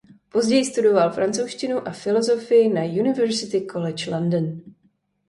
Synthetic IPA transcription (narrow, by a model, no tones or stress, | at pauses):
po̞zɟɛjɪst̪udo̞valfɾant͡sowʃcɪnuʔafɪlo̞zo̞fɪjɪnajunɪvɛɾsɪt̪ɪkʰolɛt͡ʃlandn